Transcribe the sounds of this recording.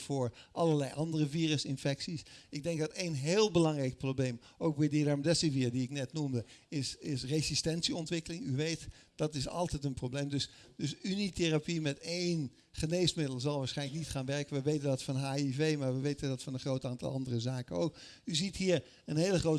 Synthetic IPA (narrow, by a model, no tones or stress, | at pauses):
fʊːɹʔɑlˠəɹlɛjʔɑndərəviːrəsɪnfɛksisɪɡ̚dɛŋk̚dɑtejnɦeːlˠbəlɑŋrɛjk̚problejm | ʔowk̚bɛjdiɾaɹmdɛsəviːɹdiɪknɛtnumdəɪsɪsrezistɛnsiɔntʋɪkəlɪŋyʋejt | d̥ɑtɪsɑ̰lˠtɛtənprowbleːmdɵs | dɵsyniterapimɛtejn | χəneːsmɪdəlˠzɑlˠʋaːsχɛjnləknitχaːnʋɛɹkənʋəʋejtəndɑtfɑnɦaːivejmaːɹʋəʋejtəndɑtfɑnənχrowtaːntɑ̰lˠʔɑ̰ndərəzaːkəno̰wkyzitɦiːɹ | ənɦejləχrowt